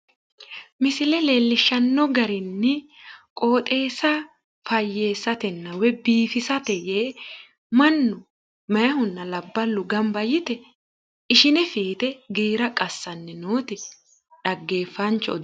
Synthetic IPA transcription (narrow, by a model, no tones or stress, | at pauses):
mɪsɪlɛle̞ːlːɪʃːɐnːɔɡɐɾɪnːɪkʼo̞ːt̪ʼe̞ːsɐ | fɐjːe̞ːsːɐt̪ɛnːɐwɛbiːfɪsɐt̪ɛjeː | mɐnːʊ | mɐjɐhʊnːɐlɐbːɐlʊɡɐmbɐjɪt̪ɛ | ɪʃɪnɛfiːt̪ɛɡeːɾɐkʼɐsːɐnːɛnoːt̪ɪ | ᶑɐɡːe̞ːfːɐnt͡ʃːɔɔd̪